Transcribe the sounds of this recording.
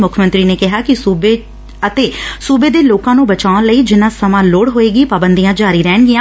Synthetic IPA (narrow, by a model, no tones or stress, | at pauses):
mʊkʰːmə̃nt̪ɾiːneːkɪɦaːkɪuːbe | ət̪eːsuːbeːd̪eːloːkãːnũːbət͡ʃaːnləiːd͡ʒɪnãːsəmãːloːɽɦoːeːɡiːpaːbənd̪ijãːd͡ʒaːɾiːɾɛːɳɡɪjãː